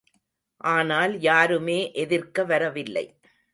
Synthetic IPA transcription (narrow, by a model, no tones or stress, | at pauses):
ʔaːnaːljaːɾɯmeːʔɛðɪrkɐʋɐɾɐʋɪlːɐ̰ɪ